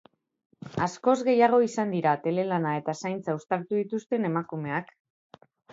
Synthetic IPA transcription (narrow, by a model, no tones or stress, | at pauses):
asko̞zɣe̞jaɣ̞o̞isand̪iɾat̪e̞le̞lanae̞t̪asajnt͡saust̪aɾt̪uðit̪ust̪e̞ne̞makume̞ak